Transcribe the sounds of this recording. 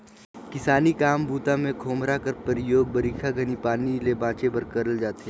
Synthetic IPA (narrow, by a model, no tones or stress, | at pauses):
kɪsaːnikaːmbuːt̪amẽkʰoːmɾakəɾpəɾɪjoːɡ̚bəɾiːkʰaɡʱənipaːnilebãːt͡ʃebɐɾkɐɾəld͡ʒaːt̪eɛː